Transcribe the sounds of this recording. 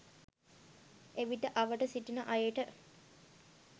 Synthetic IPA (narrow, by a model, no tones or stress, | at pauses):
ʔeʋiʈəʔɐʋəʈəsiʈinəʔɐjeʈə